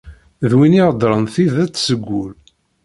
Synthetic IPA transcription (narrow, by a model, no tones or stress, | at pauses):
ðwiniʁəd̪ɾˤənθiðæt͡sːsəɡʷːul